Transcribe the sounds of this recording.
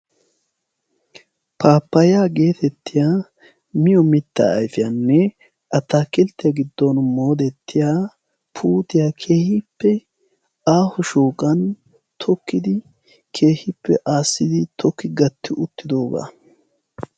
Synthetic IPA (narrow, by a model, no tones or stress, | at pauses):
paːpːɐjaːɡe̞ːt̪ɛt̪ːɪjaː | mɪjɔmɪt̪ːa̰ɐjfɪjɐnːɛ | ʔɐt̪ːaːkɪlt̪ːɪjɐɡɪd̪ːonmoːd̪ɛt̪ʰːɪjaː | pʰuːt̪ɪjaːkʰe̞ːhɪpːɛ | aːhʊʃuːkʼɐn | t̪ʰɔkːɪd̪ɪ | kʰe̞ːhɪpːɛ̰ʔaːsːɪd̪ɪt̪ʰɔkːɪɡɐt̪ːɪʔʊt̪ːɪd̪o̞ːɡa̰ː